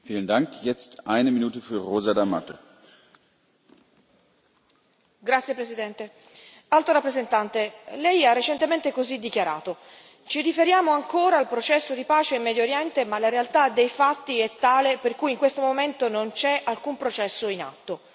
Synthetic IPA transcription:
fiːləndaŋkjɛt͡stʔaɪnəminuːtəfyːɐʁoːzadama̰to | ɡɾat̪sjepɾesid̪ɛnt̪e | alt̪oɾapːɾezent̪ant̪elɛjarːet͡ʃent̪ement̪ekozid̪ːikjaɾa̰ːt̪o | t͡ʃirifeɾjaːmoaŋkoːɾaːlpɾot͡ʃɛsːod̪ipaːt͡ʃeimːɛːd̪joɾjɛnt̪emalaɾealt̪ad̪ejfat̪ːiɛt̪ːaːleperkujiŋkwest̪omoment̪onont͡ʃɛʔalkumpɾot͡ʃɛsːoina̰t̪ːo

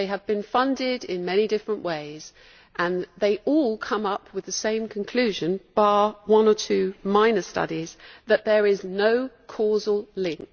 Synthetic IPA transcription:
eɪɨvbɨ̃nfʌ̃ndɪdɪ̃nmɛñidɪfɹə̃nʔweɪz̥ | ʔə̃nðeɪʔɔlˠkʰʌ̃mʌpʰwɨðɨsẽɪ̃mkʰə̃n̩kʰl̥ʉʒɨ̃nb̥awʌ̃nə˞tʰʉmãɪ̃nə˞stʌ̰ɾiz̥ðɨʔ̪̚ðə˞ɪznoʊkʰɔzəl̩ˠlɪ̃ŋk̚

